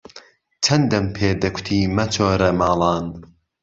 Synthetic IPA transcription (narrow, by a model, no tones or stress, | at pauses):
t͡ʃʰɐnd̪ɐmpʰeːd̪ɐkʷʰʊ̥t̪ʰiːmɐt͡ʃʰoːɾɐmɑːlˠɑːn